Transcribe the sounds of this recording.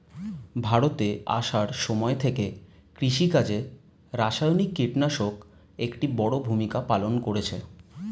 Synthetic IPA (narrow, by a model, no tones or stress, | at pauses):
bʱaɽot̪ea̰ʃaɾʃɔmɔet̪ʰekekɾiʃikad͡ʑe | ɾaʃajonikːiʈnaʃok | ekʈibɔɽobʱumikapalonkoɽet͡ɕʰe